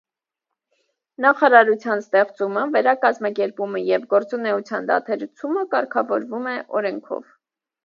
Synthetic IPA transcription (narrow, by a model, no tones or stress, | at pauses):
nɑχɑɾɑɾut͡sʰjɑnst̪ɛχt͡suməvɛɾɑkɑzmɑkɛɾpuməjɛvɡɔɾt͡sunɛut͡sʰjɑnd̪ɑ̰t̪ʰɛɾt͡sʰuməkɑɾkʰɑvɔɾvumɛʔɔɾɛŋkʰɔ̰v̥